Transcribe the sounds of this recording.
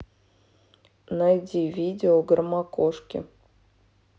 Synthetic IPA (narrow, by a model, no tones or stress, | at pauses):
najdʲivʲidʲɪoɡrmɑkoʂkʲɪ̰